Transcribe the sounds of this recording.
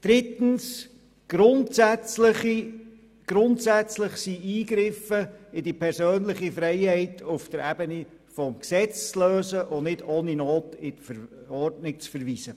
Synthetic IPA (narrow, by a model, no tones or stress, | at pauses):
d̥ɾɪtən̩s | ɡ̥ɾʊntsæt͡sləχi | ɡ̥ɾʊntsæt͡slɪχsiiːɡɾɪfəɪdipʰɛɾsøːnlɪχifɾɛɪhɛɪtʰʊfd̥əɾæbəni | fɔmksɛt͡st͡sløːsəʔʊnɪdoːninoːtɪtfəɾɔɾdnɪk̚t͡sfəɾʋiːsə